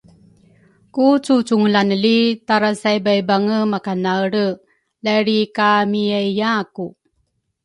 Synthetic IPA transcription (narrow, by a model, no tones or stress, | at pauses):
kut͡sut͡suŋlanəlitaɾasajbajbaŋəmakanaɾə | laɾikamiəjjaku